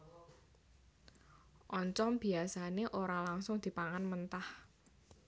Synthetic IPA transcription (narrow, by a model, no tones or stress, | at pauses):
ʔɔɲt͡ʃɔmb̥i̤asaneʔoɾalaŋsʊŋd̪̥i̤paŋanmənt̪ah